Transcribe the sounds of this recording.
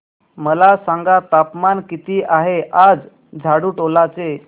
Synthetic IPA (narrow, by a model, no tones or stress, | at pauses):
məlasaŋɡat̪apmankit̪iːʔaɦeʔad͡z | d͡zʱaɽuːʈolat͡se